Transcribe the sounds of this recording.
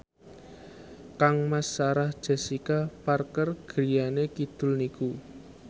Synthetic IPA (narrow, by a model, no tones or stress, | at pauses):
kaŋmasaɾahd̥ʒ̥e̤sikaparkərɡ̥ɾijanekid̪̥ʊ̤lniku